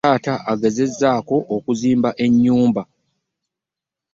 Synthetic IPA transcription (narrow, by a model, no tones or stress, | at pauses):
aːtaʔaɡe̞ze̞zːaːko̞ʔokuziːmbaʔe̞ɲːuːmba